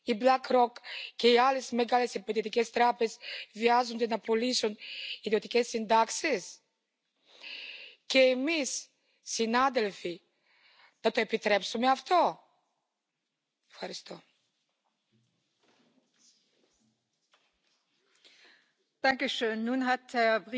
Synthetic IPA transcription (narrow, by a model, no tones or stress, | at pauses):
iblakɾokkːeialesmeɡalesiped̪iot̪ikɛst̪ɾapesviazund̪enɐpolisunid̪iot̪ikɛsind̪akses | keːmisː | inad̪elfi | d̪ɐt̪oepit̪ɾɛpsumeaft̪o | efxaɾist̪o | d̥aŋkəʃøːnːunɦat̚ɛɐb